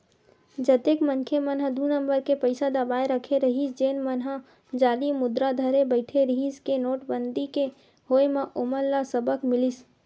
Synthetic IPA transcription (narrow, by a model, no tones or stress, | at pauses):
d͡ʒət̪eːkmənkʰemənɦəd̪unəmbəɾkepəɪsad̪əbaːeɾəkʰeɾəɦisd͡ʒeːnmənɦə | d͡ʒaːɾimʊd̪ɾad̪ʱəɾebəɪʈʰeɾəɦiskenoːʈbənd̪ike | ɦoːemẽʔoməɾlasəbəkmɪlis